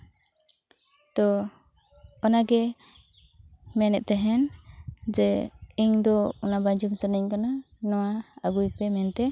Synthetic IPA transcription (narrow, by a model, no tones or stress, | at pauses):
t̪ɔ | ɔnaɡɛ | mɛnɛʔ̪̚t̪ɛɦɛnd͡ʒɛiɲd̪ɔɔnabad͡ʒɔmsənəɲkana | nɔwaaɡujpɛmɛnt̪ɛ